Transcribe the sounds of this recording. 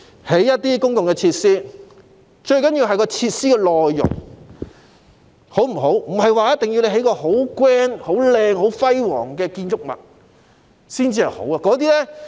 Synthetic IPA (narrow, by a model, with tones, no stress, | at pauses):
he˨˥jːɐ˥t̚t̪iː˥kʊ˥ŋkʊ˨ŋkɛː˧t͡sʰi˧t̚siː˥ | t͡ʃɵ˧ɥkɐ˨˥njiː˧wɦɐ˨jkɔː˧t͡sʰiː˧t̚siː˥kɛː˧lɔː˨jːʊ̰˨˩ŋ | ho˨˥wm̩˨˩ɦo˨˥wm̩˨˩ɦɐ˨jwaː˨jɐ˥t̚t̪ɪ˨ŋji˧wne˨˧jɦe˨˥jkɔː˧ɦo˨˥wkwɛː˥nho˨˥wlɛː˧ŋɦo˨˥wfɐ˥jwɔ̰ː˨˩ŋkɛː˧kiː˧nt͡ʃʊ˥k̚mɐ̰˨t̚ | siː˥nt͡siː˧hɐ˨˩jho̰˨˥waː˨˧kɔː˨˧˥t̪̬iː˥lɛː˥